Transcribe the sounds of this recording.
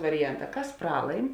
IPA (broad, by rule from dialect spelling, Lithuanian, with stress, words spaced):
ʋɐrʲɪˈjɛnˌtɑː ˈkɐs ˈprɑːlˠɐɪm